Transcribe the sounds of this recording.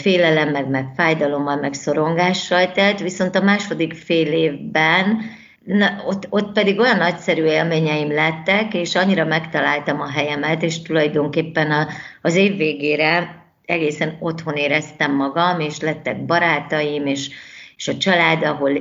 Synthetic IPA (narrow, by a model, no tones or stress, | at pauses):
feːlɛlɛmːɛɡmɛkfaːjd̪ɒlo̞mːɒlmɛkso̞ɾo̞ŋɡaːʃːɒlt̪ɛt̪ːʋiso̞nt̪ɒmaːʃo̞d̪ikfeːleːvbɛn | ot̪ːo̞t̪pɛd̪iɡo̞jɒnːɒcsɛɾyːeːlmeːɲɛjimlɛt̪ːɛkeːʃɒɲːiɾɒmɛkt̪ɒlaːlt̪ɒmɒɦɛjɛmɛt̪eːʃt̪ulɒjd̪o̞ŋkeːpːɛnɒːzeːvːeːɡeːɾɛ | ɛɡeːsɛno̞t̪ho̞neːɾɛst̪ɛmːɒɡɒmeːʃlɛt̪ːɛɡ̚bɒɾaːt̪ɒjimeːʃeːʃɒt͡ʃɒlaːd̪ɒɦo̞l